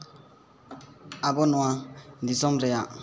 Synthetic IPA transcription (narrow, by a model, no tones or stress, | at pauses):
abɔnɔad̪isɔmɾɛja